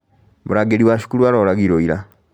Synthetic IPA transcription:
muɾaɡeliwaʃu̥kulualolaɡiɾoiɾa

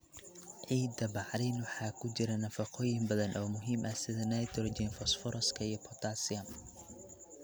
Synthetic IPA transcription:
ʕiːd̪ɐbɑʕɾinwɑħɑːkʰʊt͡ʃɪɾɐnɐfɑqʰɔːjɪmbɐðɐnʔɔːmʊɦiːmʔɐsɪðɐnɛjt̪ʰɔrd͡ʒɪnfɔsfɔɾɐskʰɐijɔpʰɔt̪ʰasɪɐm

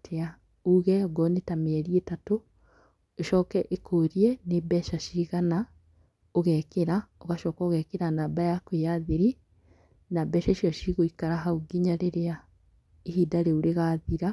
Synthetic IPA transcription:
tʰea | uɣɛɔɡɔnetameɛɾietato | oʃɔːkɛʔekʰoːɾiɛnebɛʃaʃiɣana | oɣɛkeɾaoɣaʃɔːkaoɣɛkeɾanaːbajakwejaðiɾi | nabɛʃaʃiɔʃiɣoikaɾaɦauɡiɲaɾeɾea | ehiːdaɾeuɾeɣaːðiɾa

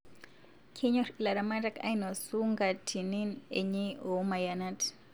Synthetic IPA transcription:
kʰeɲɔɾilaɾamadaka̰inosuŋɡatʰininḛɲiomajanat

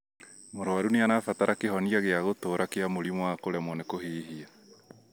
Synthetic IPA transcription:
moɾoaɾuneanafataɾʔakeɦɔniaɣeaɣotoːɾakeamoɾimwakoɾɛmɔnekoɦiːɦia

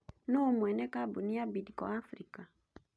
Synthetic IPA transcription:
nomwɛnɛkabuniabidikɔ̰afɾika

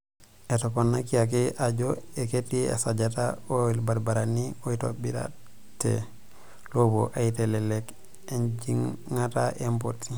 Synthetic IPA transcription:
ɛtopanːakiak̬iʔaɟoeketːiḛsad͡ʒataolbaɾbaɾaniojto̰biɾa̰ | tːḛ | lobo̰ʔaitelɛlɛk | end͡ʒiŋŋataʔempotːi

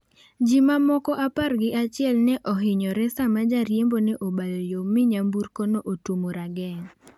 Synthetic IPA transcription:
d͡ʒimamɔkɔʔaparɡɪʔat͡ʃɪɛlnɛʔɔɦɪɲɔɾɛsamad͡ʒaɾjembonɛʔobalojomɪɲambuɾkonoʔotomoɾaɡɛŋ

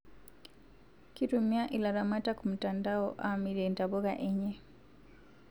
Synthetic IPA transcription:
kitumiaʔilaɾamatakum̩tandaɔʔamiɾɛndaβɔɣa̰ʔɛɲɛ

